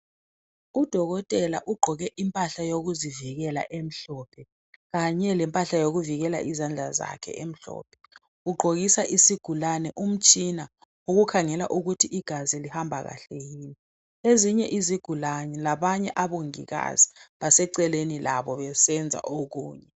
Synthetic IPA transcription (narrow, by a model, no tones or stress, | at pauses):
ud̥ʱɔɣɔtʼɛla̰ʔuɡ͡ǃʱɔɣɛʔimpʼaɬajoɣ̬uziviɣɛla̰ʔem̩ɬɔpʰɛ | ɣaɲɛlɛmpʼaɬajoɣuviɣɛla̰ʔizand͡ɮʱaza̰kʰɛ̰ʔem̩ɬɔ̰ːp̚ʰɛ̥ | uɡ͡ǃʱoɣisaʔisiɡ̥ʱulanɛʔum̩t͡ʃʼina | uɣukʰaŋɛlaʔuɣutʰiʔiɡ̥ʱazilihambʱaɣa̰ɬejiːni | eziɲɛʔiziɡ̥ʱulaɲɛlaɓaɲɛʔaɓoŋḭɣa̰zi̥ɓasɛǀɛlenilaɓɔβɛsɛnd͡zʱa̰ʔok̬uːɲɛ